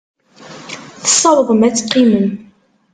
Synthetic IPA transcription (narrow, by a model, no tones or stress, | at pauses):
θə̥sˤːɑɾˤəðəmæt͡sːqːimən